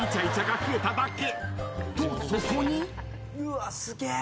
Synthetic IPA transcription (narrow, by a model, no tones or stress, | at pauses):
it͡ɕait͡ɕaɡakɯet̪ad̪akːet̪ososoɲi | juasɨɡe